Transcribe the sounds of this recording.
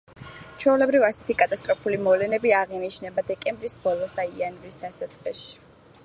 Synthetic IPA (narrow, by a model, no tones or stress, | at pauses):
t͡ʃʰwɛulɛbɾivasɛ̥t̪ʰikʼat̪ʼast̪ʼɾɔpʰulimɔlɛnɛbiaʁiniʃnɛbad̪ɛkʼɛmbɾisb̥ɔlˠɔsd̪aianvɾisd̪asat̪sʼqɛʃi̥